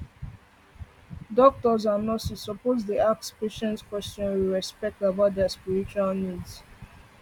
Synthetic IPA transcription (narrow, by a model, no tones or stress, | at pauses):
dɔk̚tɔzanɔsisɔpozdiak̚speʃɛ̃ntkwɛstɔ̃nwiɹɛspɛk̚tabaʊt̚dɛəspiɹit͡ʃualnidz